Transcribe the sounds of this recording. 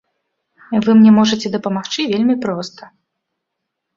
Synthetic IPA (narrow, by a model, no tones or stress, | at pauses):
vɨmnʲɛmɔʐɐt͡sʲɛd̪ɐpɐmaxt͡ʂɨvʲelʲmʲipɾɔst̪ɐ̥